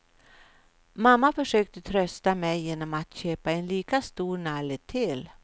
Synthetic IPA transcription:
mamːafœʂøːk̚t̪ət̪ʰɾœst̪amɛjːeːnɔmat̪ɕøːpaɛnliːkast̪uːɾnalət̪ʰɪl

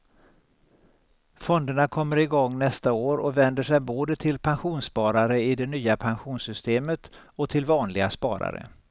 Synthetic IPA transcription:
fɔnd̪əɳakʰɔmːəɾɪɡɔŋːnɛst̪aoːɾɔvɛnd̪əʂɛjboːd̪ət̪ʰɪlpʰanɧuːnspɑːɾaɾəɪd̪ɛnyːapʰanɧuːnsʏst̪eːmət̪ | ɔt̪ʰɪlvɑːnlɪɡaspɑ̰ːɾa̰ɾə̰

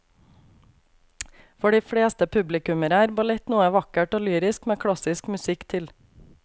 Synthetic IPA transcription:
fɔɖiːfɽeːst̪əpʰʉblɪkʉməɾæːɾbʊlɛt̪nuːəʋɑkəʈoːlyːɾɪskmeːkʰɽɑsɪskmʉsɪkt̪ʰɪl

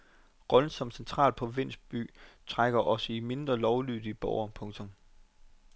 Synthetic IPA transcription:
ʁɒ̽ln̩sɒ̽m̥sent͡sʰʁɑ̰̈ːld̥̚pʰɒ̽ʋe̝n̰sb̥y̰ːt͡sʰʁaɡ̥ɐʔɒ̽səime̝nd̥ʁɐlɒʊlyððˠib̥ɒʊɐpʰɔ̽ŋt͡sʰɔ̽m

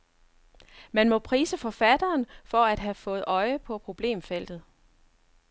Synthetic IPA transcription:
mænmɔ̽pʰʁiːsəfɒ̽fæd̥ɐːnfɒ̽æd̥ɦæfɔ̽ːð̩ˠɒ̽ɪəpʰɒ̽pʰʁo̝b̥le̝̰ːmfel̰d̥ð̩ˠ

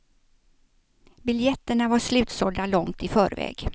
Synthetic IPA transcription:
bɪljɛt̪ːəɳavaʂlʉ̟ːt̪sɔld̪alɔŋt̪ɪfœːɾvɛ̰ːɡ̥

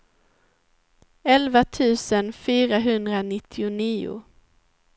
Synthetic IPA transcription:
ɛlvat̪ʰʉ̟ːsənfyːɾaɦɵnd̪ɾanɪt̪ʰːɪʊniːʊ̰

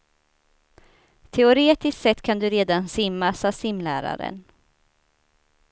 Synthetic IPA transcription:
t̪ʰɛʊɾeːt̪ɪst̪sɛt̪ːkʰand̪ɵɾeːd̪ansɪmːasasɪmlæːɾa̰ɾə̰n

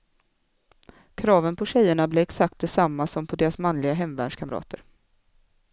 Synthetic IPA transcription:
kʰɾɑːvənpʰɔɕɛjːəɳablɛɛksak̚t̪̚d̪ɛsamːasɔmpʰɔd̪eːɾasmanlɪɡaɦɛmːvæ̰ːɖʂkʰamɾɑ̰ːt̪əɾ

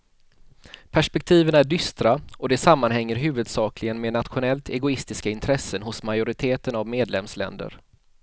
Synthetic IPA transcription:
pʰæʂpɛk̚t̪ʰiːvənæɖʏst̪ɾaɔd̪ɛsamːanɦɛŋːəɾɦʉ̟ːvɵd̪sɑːklɪɡənmeːnat̪ɧʊnɛlt̪ɛɡʊɪst̪ɪskaɪnt̪ʰɾɛsːənɦʊsmajʊɾɪt̪ʰeːt̪ənavmeːd̪lɛmslɛ̰nd̪ə̰ɾ

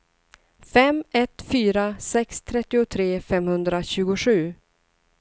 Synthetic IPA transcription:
fɛmɛt̪fyːɾasɛkst̪ʰɾɛt̪ːɪʊt̪ʰɾeːfɛmhɵnd̪ɾaɕʉ̟ːɡʊɧʉ̟ː

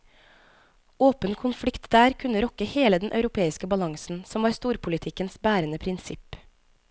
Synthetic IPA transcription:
oːpənkʰʊnflɪkt̪d̪æːɾkʰʉnəɾɔkəheːləd̪ɛnʔɑʉɾʊpʰeːɪskəbɑlɑŋsn̩sɔmʋɑːɾst̪uːɾpʰʊlɪt̪ʰɪkənsbæːɾənəpʰɾɪnsɪp

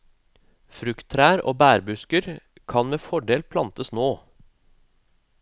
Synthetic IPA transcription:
fɾʉkt̪ʰɾæːɾo̰ːbæːɾbʉskəɾ | kʰɑnmeːfɔɖeːlpʰlɑnt̪əsnoː

